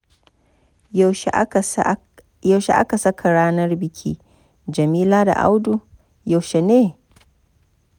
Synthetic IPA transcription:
ja˨wʃḛ˨ʔa̰˦ka˨sɐ˦kʰa˨ɽaː˦nɐ˦rbɪ˨kʲʰḭː˦ | d͡ʒɐ˨miː˦laː˦da̰˨ʔa̰˦wdu˦˨ | ja˨wʃe˨neː˦

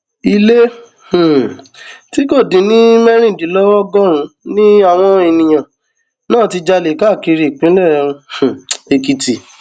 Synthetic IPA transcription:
i˧le˦ | h̩˨ | ti˦ko˦˨dĩ˨˧˦nĩ˦mɛ˦ɾĩ˦˨dĩ˨˦lɔ˦wɔ˦ɡɔ˦ɾ̃ũ˧nĩ˦a˦˨w̃ɔ̃˧e˧˨nĩ˧j̃ã˨ | nãː˦˨ti˧d͡ʒa˧le˨˦ka˦˨ki˧ɾi˧˨k͡pĩ˨˦lɛ˦˨ɾũ˧˨e˨ki˧ti˨

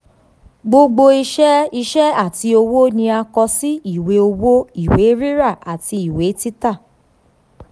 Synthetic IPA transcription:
ɡ͡bo˧ɡ͡bo˧i˧ʃɛ˦i˧ʃɛ˦a˦˨ti˧o˧wo˦nĩ˧a˧kɔ˧si˦i˦˨we˨˦o˧wo˦i˦˨we˨˦ɾi˦ɾa˦˨a˨ti˧i˨we˨˦ti˦ta˦˨

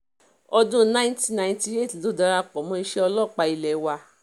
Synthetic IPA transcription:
ɔ˧dũ˦nã˦ti˧˦nã˧˨ĩ˧ti˧˦e˦˨ti˨lo˨˦da˧ɾa˧k͡pɔ˨mɔ̃˨˧i˧˦ʃɛ˦ɔ˧lɔ˦˨k͡pa˧i˧lɛ˨˦wa˧

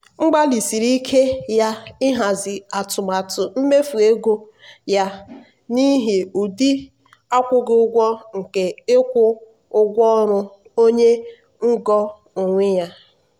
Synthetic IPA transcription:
ŋ͡m̩˦ɡ͡ba˦li˨si˨ɾi˦kʰe˦ja˦ɪ˦ɦa˨zɪ˨a˨tʊ˨ma˨tʊ˨m̩˦me˦fu˨e˦ɡo˦ | ja˦ | ni˦ɦi˨u˨di˦ | a˦kʷʊ˦ɡɪ˦ʊ˦ɡʷɔ˦ŋ̩˨ke˨ɪ˦kʷʊ˦ | ʊ˦ɡʷɔ˦ɾʊ˦ | o˦ɲe˦ | ŋ̩˦ɡɔ˦ | ʊ˨ŋʷɪ˦ja˦

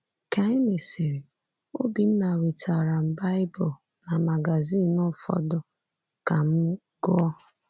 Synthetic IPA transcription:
ka˦ɪ˦mi˨si˨ɾi˨ | o˦bi˨n̩˦na˨wi˨tʰa˨ɾa˨m̩˨ba˦ɪ˦bʊ˨ | na˨ma˨ɡa˨zi˦˨nɔ˦˨fɔ̰˨dʊ˨ | ka˨m̩˦ | ɡɔ˦ɔ˦

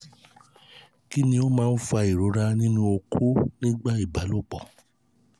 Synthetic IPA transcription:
ki˦nĩ˧o˦mãː˦n̩˦fa˧i˨ɾo˨˦ɾa˦nĩ˦nũ˦o˧kʰo˦nĩ˦ɡ͡ba˦i˦˨ba˨˦lo˦˨k͡pɔ˨

